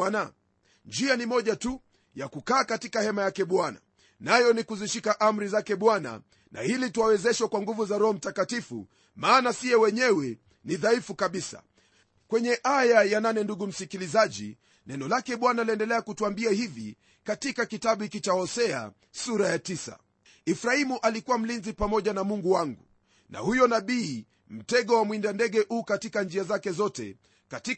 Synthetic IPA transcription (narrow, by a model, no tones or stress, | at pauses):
ana | nd͡ʒianimɔʄatu | jakukaːkatikahɛmajakɛɓwana̰ | najɔnikuziʃikaʔam̩ɾizakɛɓwana̰ | na̰hilituwawɛzɛʃwakwaŋɡuvuzaɾɔɦɔm̩takatifṵ | maːnasiɛwɛɲɛwɛ | niðaifukaɓisa̰ | kwɛɲɛʔajajananɛnduɡum̩sikilizaʄḭ | nɛnɔlakɛɓwanaliɛndɛlɛakutuambiahivi | katikakitaɓuikit͡ʃahɔsɛa̰ | suɾajatisa̰ | ifɾaimuʔalikuwam̩linzipamɔʄanamuŋɡuwaŋɡu | na̰hujɔnaɓiː | m̩tɛɠɔwamwindandɛɡɛʔuːkatikand͡ʒiazakɛzɔtɛ̰ | kati